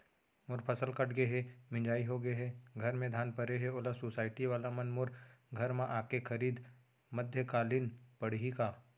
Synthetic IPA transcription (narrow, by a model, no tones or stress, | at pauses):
mʊɾpʰɐsəlkɐʈʰɡeɦɛmɪ̃d͡ʒaːiɦoɡəeɦɛɡʱɐɾmẽd̪ʱjaːnpɐɾeɦɛoːlasosaːɪʈiʋaːlamɐnmʊɾɡʱɐɾmãʔaːkekʰɐɾiːd̪ | mɐd̪ʱjəkaːlɪnpɐɽ̤ɦikaː